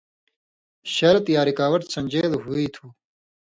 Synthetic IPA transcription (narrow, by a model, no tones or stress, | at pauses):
ɕɐɾɐt̪jaːɾikaːwɐʈsɐ̃nʲd͡ʑeːd̪ɦuit̪ʰu